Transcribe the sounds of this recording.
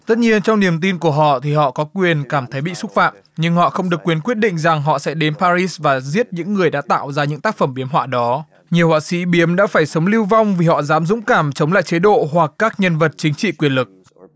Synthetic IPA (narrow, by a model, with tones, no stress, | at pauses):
t̪ə˦˥t̚ɲi˧ənt͡ɕɔ˧wŋ͡mni˨˩əmt̪i˧nku˧˩əɦɔ̰˧˨t̪ʰi˨˩ɦɔ̰˧˨kɔ˨˦kwi˨˩ənkaː˧˩mt̪ʰə˨˦jɓḭ˧˨sʊ˦˥t̚fa̰ː˧˨m | ɲɨ˧ŋhɔ̰˧˨xə˧wŋ͡mɗɨ˨˩əkːwi˨˦ənkwi˦˥ət̚ɗḭ̈˧˨ŋ̟za˨˩ŋɦɔ̰˧˨sɛ̰˧˥ɗe˨˦npaː˧zi˦˥svaː˨˩zi˦˥ət̚ɲɨ̰˧˥ŋːɨ˨˩əjɗa̰ː˧˥t̪a̰ː˧˨wzaː˧ɲɨ̰˧˥ŋt̪aː˦˥k̚fə˧˩mɓi˨˦əmɦwa̰ː˧˥ɗɔ˨˦ | ɲi˨˩əwha̰ː˧˨sḭ˧˥ɓi˨˦əmɗa̰ː˧˥faː˧˩jsə˨˦wŋ͡mli˧wva˧wŋ͡mvi˨˩ɦɔ̰˧˨zaː˨˦mzʊ̰˧˥ŋ͡mkaː˧˩mt͡ɕə˨˦wŋ͡mla̰ː˧˨jt͡ɕe˨˦ɗo̰˧˨ɦwa˨˩kːaː˦˥k̚ɲə˧nvə˨˩t̚t͡ɕï˨˦ŋ̟t͡ɕḭ˧˨kwi˨˩ənlɨ˨˩k̚